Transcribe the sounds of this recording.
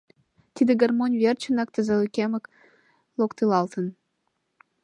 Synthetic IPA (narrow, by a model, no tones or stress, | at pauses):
t̪id̪əɡərmonʲvert͡ɕə̆nɑk̚t̪əzə̆lykemə̆k | lokt̪elɑlt̪ən